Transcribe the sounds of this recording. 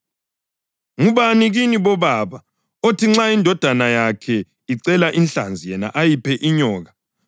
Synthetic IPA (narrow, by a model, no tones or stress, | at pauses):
ŋuβaniɣiniβɔβaβa | otʰiŋ͡ǁaindʱɔd̥ʱanajakʰɛ | iǀɛlaʔinɬand͡zʱijɛna̰ʔajipʰɛʔiɲɔːɣa